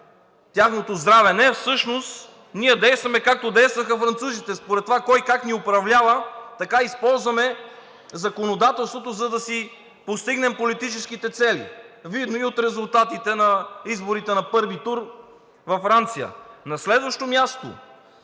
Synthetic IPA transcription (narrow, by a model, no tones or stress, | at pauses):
t̪ʲjaxnot̪ozd̪ɾavɛnɛfsɤʃnost̪ | niɛd̪ɛjst̪vɐmɛkak̚t̪od̪ɛjst̪vɐxɐfɾɐnt̪suzit̪ɛspoɾɛt̪ːovakɔjkakniopɾɐvlʲavət̪ɐkaispɔlˠzvɐmɛ | zɐkonod̪at̪ɛlˠst̪vot̪ozɐd̪ɐsi | post̪iɡnɛmpolit̪it͡ʃɛskit̪ɛt̪sɛlḭvid̪noiot̪ɾɛzʊlˠt̪at̪it̪ɛnɐizboɾit̪ɛnɐpɤɾvit̪uɾ | vɐfɾant̪sijə̰nɐslɛd̪vɐʃt̪omjast̪o̰